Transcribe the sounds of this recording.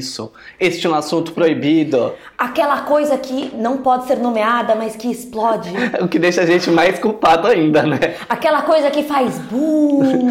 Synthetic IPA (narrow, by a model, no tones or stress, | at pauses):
sʊ | est͡ʃɪũasũnt̪ʊ̥pɾoibid̪ʊ | akɛlɐkojzɐkʰɪnɐ̃w̃pɔd͡ʒɪseɾnomead̪ɐmɐskɪːsplɔd͡ʒɪʊkɪd̪ejʃɐʒẽnt͡ʃɪmajskuwpad̪ʊaĩnd̪ɐnɛakɛlɐkojzɐkɪfajzbu